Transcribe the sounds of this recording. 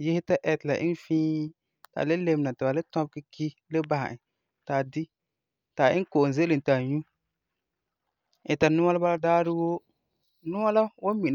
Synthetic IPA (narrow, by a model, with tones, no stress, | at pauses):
jɪ˦hɪ˦ta˦ʔɛ˨tla̰˨ʔɪ˦n˦fĩː˦ | ta̰˨le˦le˦m˦na˨tɪ˨ba˨le˦tɔ̃˦b̚kɪ˦ki˦le˦ba˨ha̰˨ɪ˨ | ta˨di˦ | ta˨ɪ˦ŋ˦ko˨ʔze˦lɨ˨n˨ta˨ɲu˦ | ɪ˨ta˨nʊ˦a˦la˦ba˦la˦daː˦ɾɪ˦wo˦ | nʊ˦ŋa˦la˦wo˦mi˨